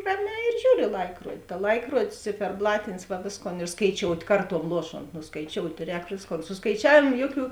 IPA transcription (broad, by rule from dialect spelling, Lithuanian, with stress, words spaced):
ˈrɑːˌmʲɛː ɪr ˈʒʲuːr ɪ ˈlˠɐɪkruɔdʲɪ tɐ ˈlˠɐɪkruɔdʲɪs t͡sʲɪfʲɛrˈblˠɑːtʲɪnʲɪs ʋɐ ˈʋʲeːsˌkoːn ɪr skɐɪˈt͡ʃʲoːʊtʲ ˈkɐrˌtuɔm ˈlˠuɔˌʃoːnt ˈnʊ skɐɪˈt͡ʃʲoːʊtʲ ˈrʲɛːk ˈʋʲeːsˌkoːn sʊ skɐɪˈt͡ʃʲæːʋʲeːmoː ˈjoːˌkʲuː